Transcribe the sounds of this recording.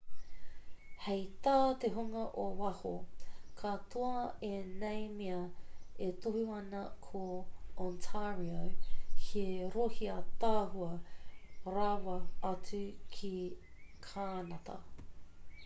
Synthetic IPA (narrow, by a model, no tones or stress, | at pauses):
hejt̪aːt̪eɦuŋɐʔowɐhokʰat̪oɐenejmiɐet̪ohiɐnɐkʰoɔnt̪ʰaɹiokʰiɾohiɐt̪aːhuɐ | ɾawɐɐt͡sʉkʰikʰaːnɐt̪ɐ̰